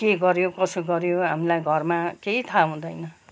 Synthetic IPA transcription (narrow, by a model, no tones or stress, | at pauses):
keɡʌɾjokʌsoɡʌɾjoɦamilajɡʱʌrmakeit̪ʰaɦũd̪ʌjnʌ